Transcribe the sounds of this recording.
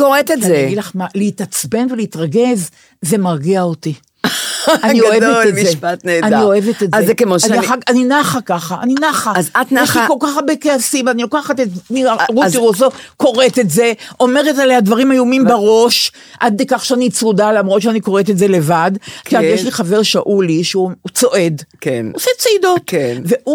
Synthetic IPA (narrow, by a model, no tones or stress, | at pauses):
koʁet̪eeɡilaχmaleit̪at͡sbe̞nveleit̪ʁaɡe̞z | ze̞maʁɡeaot̪i | anioevveemizepat̪neːdanio̞evet̪etːekemoaniaaaninaχakaχa̰ːninaχazat̪neʃlikolkaχbekeasimanilo̞kaχatetniaʁutiʁosoko̞ʁe̞t̪e̞tze̞ʔo̞me̞ʁetalead̪vaʁimajumimbaʁo̞ʃ | ʔad̪̚dekaχʃeanit͡sʁud̪alamʁo̞t̪ʃeaniko̞ʁetetze̞le̞vad̪kiajeʃliχave̞ʁʃaʔuliʃeuut͡so̞ʔe̞d̪kenoset͡seido̞tkeveʔu